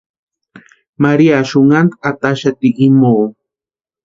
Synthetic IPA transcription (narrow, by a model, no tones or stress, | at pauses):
maɾiaʃoŋant̪at̪aʃat̪iʔimoː